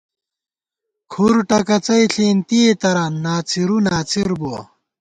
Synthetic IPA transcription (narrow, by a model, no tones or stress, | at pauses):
kʰuɾʈɐkɐt͡sɐjɬiːnt̪iet̪ɐɾanːaːt͡sʰiɾunaːt͡sʰiɾbuɐ̰